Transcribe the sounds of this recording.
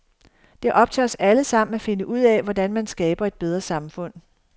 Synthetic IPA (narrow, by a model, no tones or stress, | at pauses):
d̥e̝ʔɒ̽b̥̚t͡sʰeɒ̽sæləsɑ̈m̰n̩æfe̝nəʔuð̞̰ˠɛʋɒdænmænsɡ̥ɛːb̥ɐe̝d̥̚b̥eð̞ˠʁɐsɑ̈mfɔ̽n̰